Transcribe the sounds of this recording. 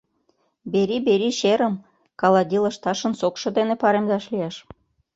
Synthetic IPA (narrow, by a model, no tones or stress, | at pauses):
beɾibeɾiɕeɾə̆m | kɑlɑd̪ʲilə̆ʃt̪ɑʃə̆nsokʃɤ̆d̪enepɑɾemd̪ɑʃlijɑʃ